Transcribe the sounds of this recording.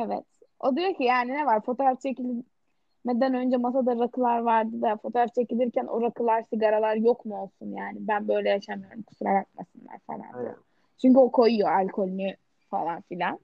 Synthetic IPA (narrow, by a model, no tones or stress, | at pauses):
evɛ̰t̪ | o̞d̪ijocijaːninɛvaɾfo̞t̪ʰoɾaft͡ʃʰecilʲi | mɛd̪ænø̞nd͡ʒɛmasad̪aɾakʰɯlˠaɾvaɾd̪ɯd̪afo̞t̪ʰoːɾaft͡ʃʰe̞cilʲiɾcʰænʔo̰ɾakʰɯlˠaɾsiɡaɾalˠaɾjo̞kmuo̞lˠsunjaːnibænbø̞jlʲɛjaʃamɯjoɾumkʰu̥suɾaɾat̪̚ma̰sɯnlˠa̰ɾfḛlˠa̰n̰ | t͡ʃʰyɲcyo̞kʰo̞jujo̞alʲkʰo̞lʲny | falˠanfilʲan